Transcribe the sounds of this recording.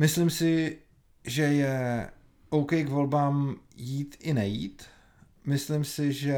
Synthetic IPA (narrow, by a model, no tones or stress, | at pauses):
mɪslɪmsɪ | ʒɛjɛ | ʔowkɛjkvo̞lbaːmjiːt̪ɪnɛjḭːt̪ | mɪslimsɪʒɛ